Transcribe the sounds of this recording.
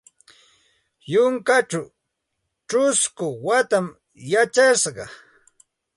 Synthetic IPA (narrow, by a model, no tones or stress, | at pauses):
jʊŋkaʈ͡ʂaw | ʈ͡ʂʊskʊwat̪am | jat͡ʃaʃɢɑ